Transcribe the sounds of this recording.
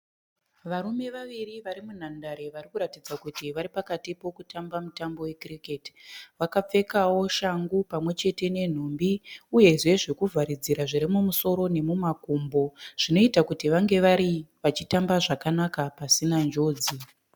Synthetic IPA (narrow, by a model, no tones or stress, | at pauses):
ʋaɾume̞ʋaʋiriʋaɾimun̤andaɾe̞ʋarikuɾatid͡zakutiʋaɾipakatipo̞kutambamutambo̞we̞kriketi̥ʋakap͡fe̞kawo̞ʃaŋɡupamwe̞t͡ʃe̞te̞ne̞n̤umbiuje̞ʐe̞ʐe̞kuvʱaɾid͡ziɾaʐiɾimumuso̞ɾo̞ne̞mumakumbo̞ʐ̥ino̞itakutiʋaŋɡe̞ʋaɾiʋat͡ʃitambaʐakanakapasinand͡ʒo̞ːd͡zi